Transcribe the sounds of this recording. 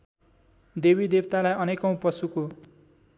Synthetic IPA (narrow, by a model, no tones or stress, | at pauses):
d̪ebid̪ebt̪alajʌnekʌ̃w̃pʌsuko